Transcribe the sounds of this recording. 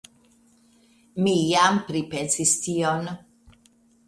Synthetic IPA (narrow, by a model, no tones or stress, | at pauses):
mijampɾipensistion